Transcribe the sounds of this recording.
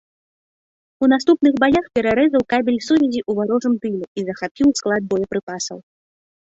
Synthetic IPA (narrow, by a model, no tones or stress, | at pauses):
unast̪upnɨɣbajaxpʲɛɾaɾɛzɐwkabʲilʲsuvʲɛzʲiʔuvaɾɔʐɨmt̪ɨlʲuizɐxapʲiwsklˠad̪̚bɔjɐpɾɨpasɐ̰w